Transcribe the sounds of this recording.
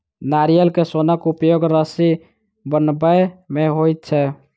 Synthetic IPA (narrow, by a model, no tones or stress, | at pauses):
naɾijəlkesonəkupjoɡɾəsi | bənbəjmeɦojt̪̚t͡ʃʰɛ